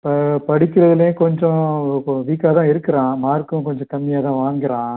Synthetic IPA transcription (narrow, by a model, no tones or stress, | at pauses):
pɐpɐɽɪkːɪɾɐðɪlekɔɲd͡ʒɔ̃ʋiːkaːt̪ãːɪɾɯkːɪɾãːmaːɾkɯ̃kɔɲd͡ʒɔ̃kɐmːɪjaːt̪ãːʋaːŋɡɪɾãː